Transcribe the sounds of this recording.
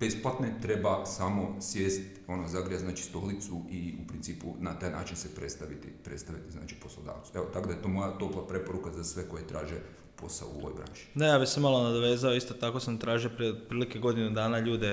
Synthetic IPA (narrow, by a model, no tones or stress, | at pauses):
b̥esplˠat̪net̪ɾe̞basamo̞sʋjeːst̪o̞nozaɡɾijaznaːt͡ʃi̥st̪o̞lit̪suiupɾint̪siːpṵnat̪aːjna̰ːt͡ʃinsepɾet̪st̪aʋit̪ḭpɾe̞t̪st̪aʋit̪izna̰ːt͡ʃi̥po̞slˠod̪a̰ːʋt̪su̥eot̪akd̪ajet̪o̞mo̞jat̪o̞plˠapɾe̞po̞ɾukazasʋe̞ko̞jet̪ɾa̰ːʒe | po̞sa̰o̰o̰ʋojbɾa̰ːʃi̥d̪ajabiçsemalo̞nad̪oʋe̞ːzaoist̪ot̪ako̞samt̪ɾaːʒijopɾipɾiːlikeɡo̞d̪inud̪aːnaʎuːd̪e